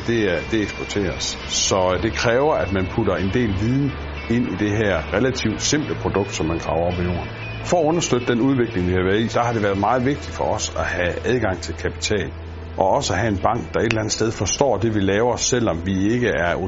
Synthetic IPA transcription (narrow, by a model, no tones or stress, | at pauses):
d̥e̝d̥e̝eɡ̥sb̥ɒt͡sʰe̝̰ːɐs | sɒ̽d̥e̝kʰʁɛːʊɐʔæd̥mænpʰuɾɐe̝nd̥e̝̰ːlʋiðˠn̩ | e̝n̰id̥e̝ɦæɐ̰ʁelæt͡sʰiʊd̥se̝m̰b̥ləpʰʁo̝d̥ɔ̽ɡ̥d̥sɒ̽mːænkʰʁɑ̈ʊɐɒb̥ilo̝̰ːɐn | fɒ̽æɔ̽nɐsd̥øð̥əd̥enuð̞ˠʋe̝ɡ̥le̝ŋʋihɑ̈ʋæːɐðˠḭsɒhɑ̈ɾ̥e̝ʋæːɐðˠmɑ̈ːð̞̩ˠʋe̝ɡ̥̚d̥id̥fɒ̽ɒ̽sæhææð̞ˠɡ̥ɑ̈ŋ̰t͡sʰe̝lkʰæpʰi̥t͡sʰɛ̰ːl | ʔɒ̽ɒ̽səæɦæe̝nb̥ɑ̈ŋ̰ɡ̥̚d̥ɑ̈e̝d̥elænð̩ˠsd̥eð̞ˠfɒ̽sd̥ɒ̰ːd̥e̝ʋilɛːʊɐɒsːel̰ɒ̽mʋie̝ɡ̥əæɐo